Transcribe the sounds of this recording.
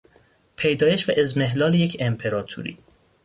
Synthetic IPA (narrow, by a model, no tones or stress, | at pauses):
pʰejd̪ɒːjeʃvæʔezmeɦlɒːlejecʰempʰe̞ɾɒːt̪ʰṵːɾḭː